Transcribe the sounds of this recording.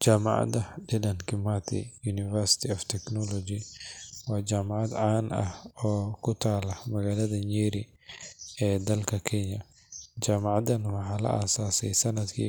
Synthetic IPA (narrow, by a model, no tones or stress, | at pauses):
t͡ʃaːmɑ̰ʕɑ̰d̪ɐdɪlɐnkʰɪmat̪ʰḭjuːnɪfɛrsɪ̥t̪ʰɪɔft̪ʰɛknɔlɔd͡ʒɪwaːt͡ʃaːmɑʕɑd̪ʕaːnɐ̰hɔːkʰʊt̪ʰaːlɐmɐɣaːlɐðɐɲiːɾɪ | ɛːd̪ɐlkʰɐkʰɛɲɐ | t͡ʃaːmɑʕɑd̪ɐnwɑħɑːlɐ̰ʔa̰ːsaːsɛjsɐnɐd̪kʰḭː